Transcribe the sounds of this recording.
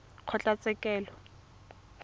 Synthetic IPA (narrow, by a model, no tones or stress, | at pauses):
kʰɔt͡ɬʼat͡sʼɛkʼɛːlɔ